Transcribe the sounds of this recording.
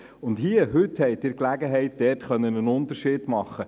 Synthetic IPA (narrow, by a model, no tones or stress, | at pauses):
ʊndhiəɦɵthɛɪdɪɾklæɡəɦɛɪt̚d̥ɛːrtχœnːənənʊnt̪əɾʃiːdmɑχːə